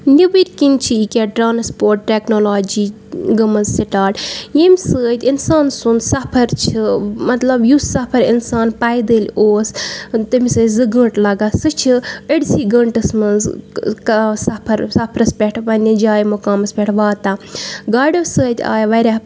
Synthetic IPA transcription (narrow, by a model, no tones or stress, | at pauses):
nʲibiɾʲkint͡ʃʰiikʲaʈɾaːnspoːɾʈʈeknoːlaːd͡ʒiː | ɡɐmɐzsiʈaːʈjemʲisəːt̪ʲinsaːnsund̪sɐpʰɐɾt͡ʃʰimɐt̪lɐbjusɐpʰɐɾinsaːnpɐjd̪əːlʲoːst̪ɨmʲisəːzɨɡəɳʈlɐɡaːsɨt͡ʃʰiəɽʲsiːɡɐɳʈɐsmɐnzksɐpʰɐɾsɐpʰɾɐspʲeʈʰʋɐnʲid͡ʒaːjmukaːmɐspʲɛʈʰʋaːt̪aːɡaːɖɐsəːt̪ʲa̰ːjʋɐɾʲa